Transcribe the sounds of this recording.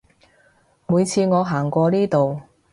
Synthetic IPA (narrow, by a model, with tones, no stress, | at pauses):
muː˨˧jt͡sʰiː˧ŋɔː˨˧ɦaː˨˩ŋkʷɔː˧niː˥t̪o˨w